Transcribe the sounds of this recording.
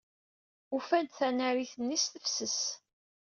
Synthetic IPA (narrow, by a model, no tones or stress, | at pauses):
ufænt̪θænæɾiθənːisθəfsəs